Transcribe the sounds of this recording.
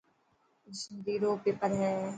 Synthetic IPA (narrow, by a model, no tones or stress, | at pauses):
ʃnd̪iːɾoːpepəɾɦɛː